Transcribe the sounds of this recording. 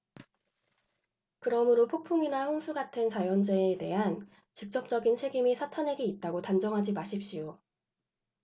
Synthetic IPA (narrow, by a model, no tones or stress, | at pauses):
kɯɾʌmɯɾopʰok̚pʰuŋinaɸoŋsʰuɡatʰɯnt͡ɕajʌnd͡ʑeːte̞ɦan | t͡ɕik̚t͡ɕ͈ʌp̚t͡ɕ͈ʌɡint͡ɕʰe̞ɡimisʰatʰanɦe̞ɡiːt̚t͈aɡotand͡ʑʌŋɦad͡ʑimaɕʰip̚ɕ͈ijo